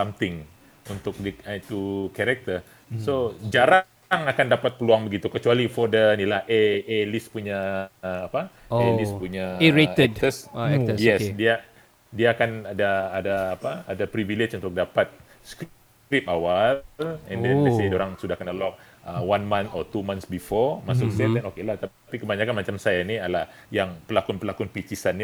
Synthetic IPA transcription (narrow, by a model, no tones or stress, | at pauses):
samt̪ɪŋ | unt̪ʊk̚diat̪ukɛɾɛk̚t̪ə | sod͡ʒaɾa | ŋakandapat̪̚pəluaŋbəɡit̪ukət͡ʃualifɔdəinilahʔeelispuɲaː | paelispuɲaɾeəɛdk̚t̪əsɛjɛsdia | diaːkanadaːdaːpaːdapɾiviled͡ʒunt̪ʊk̚dapat̪̚ | sk | kɾip̚awalɛ̰̃ndɛ̃nesedoɾaŋsudahakanəlɔk̚ | əwanmãnt̪ɔt̪umãnsbifɔmasʊksɛt̪ɛnokelaht̪aapikəbaɲakanmat͡ʃamsajanialah | jaŋpəlakʊnpəlakunpit͡ʃisanːi